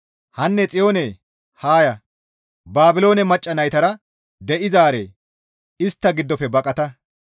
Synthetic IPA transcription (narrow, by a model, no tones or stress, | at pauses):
hɐnːɛt͡sʼɪjo̞ːneː | haːjɐ | baːbɪlo̞ːnɛmɐt͡ʃʼːɐnɐjt̪ɐɾɐ | d̪ɛʔɪzaːɾḛː | ɪst̪ːɐɡɪd̪ːɔpːɛbɐkʼɐt̪ɐ